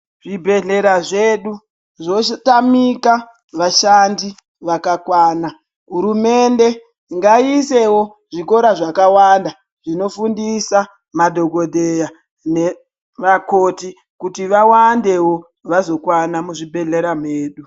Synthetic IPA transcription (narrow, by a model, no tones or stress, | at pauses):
ʐibʱe̞ɮe̞ɾaʐeːɗu | ʐoʃtamika | ʋaʃandi | ʋakakwaːna | ɦuɾume̞nde̞ | ŋɡaise̞wo̞ | ʐiko̞ɾaʐakawanda | ʐ̥ino̞fundisa | madʱo̞ɡo̞dʱeja | ne̞ | ʋakoti | kutiʋawande̞wo̞ | ʋazo̞kwanamuʐibʱe̞ɮe̞ɾameːɗu